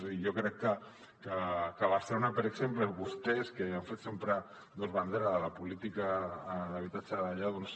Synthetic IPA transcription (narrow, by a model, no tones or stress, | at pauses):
zaðijokɾɛkːə | kakaβaseɾunapeɾeksempleβust̪eskeaɱfet̪sempɾa | d̪ozβand̪eɾaðəlapulit̪ikaðaβ̞it̪at͡ʃaðaʎaðons